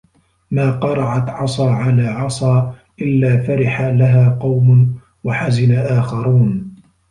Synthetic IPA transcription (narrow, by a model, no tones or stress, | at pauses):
maːqɑɾˤɑʕat̪ʕɑsˤɑːʕalaːʕɑsˤɑːʔɪlːaːfaɾɪħalaɦaːqɑwmʊ | waħazɪnaʔaːxɑɾˤuːn